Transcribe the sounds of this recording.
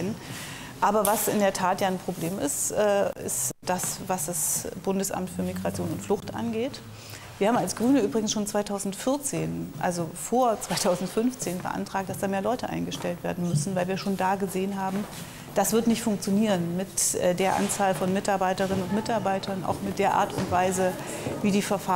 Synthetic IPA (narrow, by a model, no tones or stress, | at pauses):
n | ʔaːbɐvasɪ̰ndeːɐtʰaːtjaːɪnpʁ̥obleːmɪ̰stʔɛːɪ̰std̥asvasd̥asb̥ʊndəsʔa̰mtfyːɐmiɡʁat͡sjoːnʊntflʊxtʔa̰nɡeːt | viːɐhaːbm̩alsɡ̥ʁyːnəʔyːbʁɪɡŋ̩sʃoːnt͡sv̥aɪtʰaʊzn̩tfɪɐt͡seːnʔa̰lzofoːɐt͡sv̥aɪtʰaʊzn̩tfʏnft͡seːnbə̰ʔa̰ntʁ̥aːk̚td̥asd̥aːmeːɐlɔʏtəʔa̰ɪnɡəʃtɛltv̥eːɐdn̩mʏsn̩vaɪlviːɐʃoːndaːɡəzeːənɦaːbm̩ | d̥asv̥ɪɐtnɪçtfʊŋk̚t͡sjoniːʁənmɪtɛdeːɐʔa̰nt͡saːlfɔnmɪtaɐbaɪtəʁ̞ɪnənʊntmɪtaɐbaɪtʰɐnʔa̰ʊxmɪt̚d̥eːɐʔa̰ːɐtʊ̰ntv̥aɪzə | viːdiːfɛɐfa